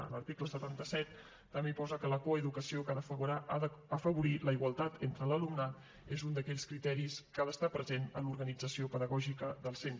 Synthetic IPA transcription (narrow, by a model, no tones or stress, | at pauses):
ə̰ləɾt̪ikləsət̪ant̪əsɛt̪ː | əmepɔzəkələkoəðukəsiokaðəfəuɾaʔaðəfəβuɾiləiɣwəlˠt̪at̪ent̪ɾələlumna | ezund̪əkɛʎskɾit̪ɛɾiskaðəst̪apɾəzenəluɾɣənid͡zəsiopəðəɣɔʒikəðəlˠsent̪